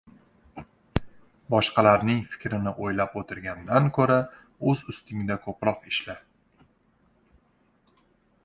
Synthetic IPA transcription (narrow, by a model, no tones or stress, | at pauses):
bɒʃqʰɑlaɾnɪŋfɪ̥kʲɾɪnɪʔojlapot̪ʰɪɾɡʲand̪ankʰɵɾa | ɵzʊst̪ʰɪŋd̪akʰɵpɾɒqɪʃlɪ